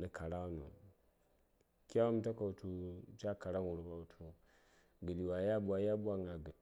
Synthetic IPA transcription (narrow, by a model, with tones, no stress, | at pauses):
ni˨ka˨ɾa˦nṵ˨ | kʲa˦u˦m˦ta˦ka˨u˨tu˨˦t͡ʃa˦ka˨ɾa˦ŋu˨ɾu˨ka˨u˨tʰu˨ | ɡə˨di˨wa˨˦ja˦bu˦a˨ja˦bu˦a˦ŋa˨ɡə˨